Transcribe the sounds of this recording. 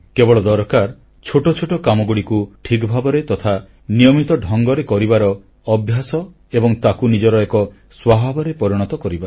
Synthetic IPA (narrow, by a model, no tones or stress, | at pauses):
kebɔɭɔd̪ɔɾkaɾ | t͡ʃʰoʈɔt͡ʃʰoʈɔkamɔɡuɽikuʈʰikbʱabɔɾet̪ɔt̪ʰa | nijɔmit̪ɔɖʱɔŋɡɔɾekɔɾibaɾɔː | bʱjasɔ | ebɔŋt̪akunid͡ʒɔɾɔekɔ | swabʱabɔɾepɔɾiɽ̃ɔt̪ɔkɔɾiba